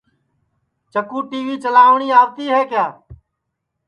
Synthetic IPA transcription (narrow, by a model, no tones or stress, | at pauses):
t͡ʃəkuːʈiːʋiːt͡ʃəlaːʋɳiːaːbt̪iːɦɛːkjaː